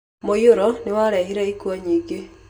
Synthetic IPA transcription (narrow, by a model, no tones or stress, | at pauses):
mojoɾɔnewaɾɛɦiɾɛikwɔɲiːɡe